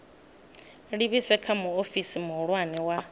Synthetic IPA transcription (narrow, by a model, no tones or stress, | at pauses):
ɺiβisɛkʰamuofisimuɺwaniwa